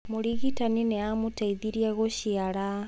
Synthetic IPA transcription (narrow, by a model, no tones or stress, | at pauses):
muɾiɣitaninɛamutaiðiɾiaɣoʃiaɾa